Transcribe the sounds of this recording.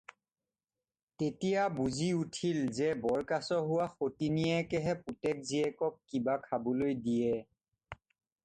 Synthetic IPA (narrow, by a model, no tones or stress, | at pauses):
tetijabuziutʰilzɛbɔɹkasɔɦʊwaxotiniɛkɛɦɛputɛk̚ziɛkɔkkibakʰabɔlojdijɛ